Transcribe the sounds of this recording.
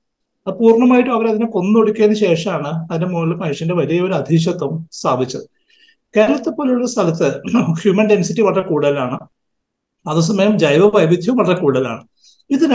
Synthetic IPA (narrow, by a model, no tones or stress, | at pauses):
ɐpuːrɳɐmaːjiʈːɨmɐʋɐɾɐðinɨko̞nːuoɽukʲːaːnɕe̞ːʂɐmaːɳɨɐðinde̞moːlːɐmɐjiʂjɐnde̞ʋɐlijɐo̞ɾuɐd̪ʱiɕɐt̪ːɐmst̪ʰaːbʱit͡ɕːɐðɨ | keːɾɐlɐt̪ːepːoːluɭːɐst̪ʰɐlɐt̪ːɨhjuːmɐnde̞nsitːiʋɐɽrekuːɽɐlaːɳɨ | ɐðɨs̬ɐmɐjɐmd͡ʑɐjʋɐʋɐjʋid̪ʱjɐmʋɐɭɐrekuːɽɐla̰ːɳɨ | iðin